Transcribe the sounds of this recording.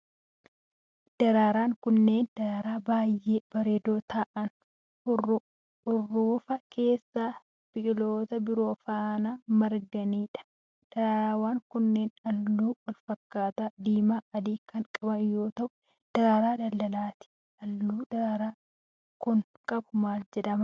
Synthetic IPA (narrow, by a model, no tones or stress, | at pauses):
d̪̥ɐɾaːɾaːŋkʊnːe̞ːnd̪̥ɐɾaːɾaːbaːjːeːb̥ɐɾeːd̪oːt̪aːʔɐn | ʊr | ʊrːuːfɐkʰe̞ːsːaː | b̥ɪʔɪloːt̪ɐbɪɾo̞ːfaːnaːmɐɾɡɐniːᶑɐ̥ | d̪̥ɐɾaːɾaːwaːŋkʊnːe̞ːnɐlːuːwɐlfɐkːaːt̪aːd̪iːmaːɐd̪iːkɐŋkʼɐbɐnjo̞ːt̪ɐʔʊ̥ | d̪̥ɐɾaːɾaːd̪ɐlːɐlaːt̪ɪ̥ | ɐlːuːd̪ɐɾaːɾaː | kʊŋ | kʼɐbʊmaːld͡ʒɛᶑɐmɐ